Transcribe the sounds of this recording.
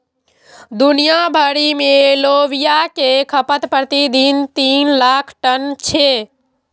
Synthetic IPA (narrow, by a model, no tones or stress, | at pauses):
d̪unijabʱəɽimeloʋijakekʰəpət̪pɾət̪id̪int̪inlakʰʈənt͡ʃʰe